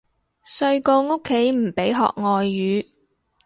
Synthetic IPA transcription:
sɵ˧ɥko˧wŋo˥kʰːe˨˥jm̩˨˩pe˨˥jɦɔ̰ː˨k̚ŋɔː˨jːyː˨˧

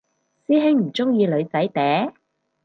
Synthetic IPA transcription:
siː˥ɦɪ˥ŋm̩˨˩t͡sʊ˥ŋjiː˧lɵ˨˧ɥt͡sɐ˨˥jt̪ɛː˨˥

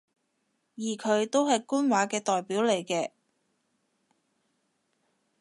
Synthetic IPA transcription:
jiː˨˩kʰɵ˨˧ɥt̪o˥wɦɐ˨jkuː˥nwaː˨˧˥kɛː˧t̪ɔː˨jpiː˨˥wle˨˩jkɛː˧

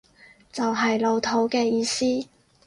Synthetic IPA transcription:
t͡sɐ˨wɦɐ˨jlo˨˧wt̪ʰo˨˥wkɛː˧jiː˨˧siː˥

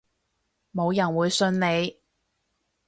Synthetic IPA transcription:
mo˨˧wjɐ˨˩nwuː˨˧jsɵ˧nne˨˧j

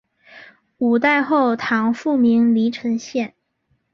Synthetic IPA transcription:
u˨˩t̪a˥˧ɪxo˥˩ʊt̪ʰɑ˧˥ŋfu˥˩mi˧˥ŋli˧˥ʈ͡ʂʰɤ˧˥ŋɕjɛ˥˩n

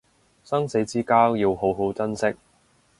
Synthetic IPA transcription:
sɐ˥ŋse˨˥t͡siː˥kaː˥wji˧wɦo˨˥wɦo˨˥wt͡sɐ˥nsɪ˥k̚

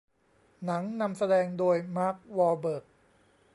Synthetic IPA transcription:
na˩˦ŋna˧msa˧dɛː˧ŋdoː˧jmaː˥˩k̚wɔː˧bɤː˨˩k̚

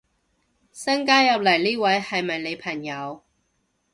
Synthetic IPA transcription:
sɐ˥ŋkaː˥jɐ˨p̚lɐ˨˩jliː˥wɐ˨˥jhɐ˨jmɐ˨jle˨˧jpʰɐ˨˩ŋjɐ˨˧w

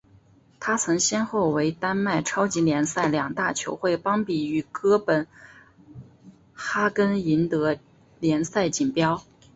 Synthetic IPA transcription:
t̪ʰa˥t͡sʰɤ˧˥ŋɕjɛ˥nxo˥˩ʊwe˧˥ɪt̪a˥nma˥˩ɪʈ͡ʂʰɑ˥ʊt͡ɕi˧˥ljɛ˧˥nsa˥˩ɪljɑ˨˩ŋt̪a˥˩t͡ɕʰjo˧˥ʊxwe˥˩ɪpɑ˥ŋpi˨˩y˨˩kɤ˥pə˨˩n | xa˥kə˥ni˧˥nt̪ɤ˧˥ | ljɛ˧˥nsa˥˩ɪt͡ɕi˨˩npjɑ˥ʊ

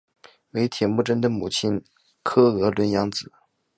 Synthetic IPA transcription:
we˧˥ɪt̪ʰjɛ˨˩nmu˥˩ʈ͡ʂə˥nd̪ə˨mu˨˩t͡ɕʰi˥n | kʰɤ˥ɤ˧˥lwə˧˥njɑ˧˥ŋt͡sɹ̩˨˩˦

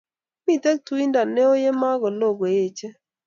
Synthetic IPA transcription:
mi˦˨te˦k̚tu˦i˦nda˨ne˦o˦je˦ma˦ɡɔ˨lo˦˨ɡe˨je˦˨t͡ʃe˦

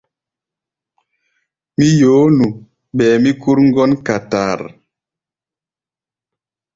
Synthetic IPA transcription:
mi˦joː˨˦nu˨ | ɓɛː˨mi˦ku˦ɾŋ̩˦ɡɔ˦nka˨ta̰ː˨ɾ

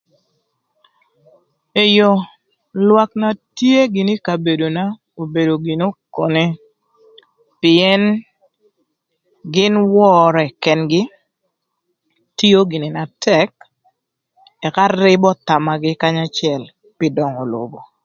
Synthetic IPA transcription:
e˨jo˨ | lwa˨kna˨tje˦ɡɪ˨nɪ˦ka˨be˨do˨na˦ | o˨be˨do˨ɡi˨no˦ko˨ne˦ | pɪ˨ɛ˦n | ɡɪ˦nwɔ˦ɾɔ˨ɛ˨kɛ˨nɡɪ˦ | to˦ɡɪ˨nɪ˨na˨tɛ˦k̚ | ɛ˨ka˦ɾɪ˦bɔ˦ta˨ma˨ɡɪ˦ka˦ɲa˦t͡ʃɪɛ˨l | pɪ˦dɔ˨ŋɔ˨lo̰˨bo̰˨

